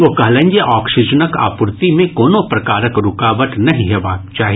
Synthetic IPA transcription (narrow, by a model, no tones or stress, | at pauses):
ʋokɐɦlə̃ɲd͡ʒeʔɔːksɪd͡ʒənəka̰ːpʊɾt̪imẽkoːnõpɾɐkaːɾəkɾʊkaːʋəʈ̪nɐɦĩɦɛbaːkt͡ʃaːɦi